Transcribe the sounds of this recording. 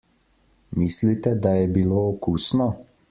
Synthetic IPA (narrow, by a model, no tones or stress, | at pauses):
miːslit̪ɛd̪ajɛbiloːkuːsnɔ